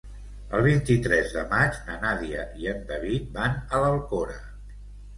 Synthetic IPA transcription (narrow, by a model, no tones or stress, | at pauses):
əlˠβ̞int̪it̪ɾɛzðəmat͡ʃnənaðiəʔiənd̪əβit̪̚banələlˠkoɾə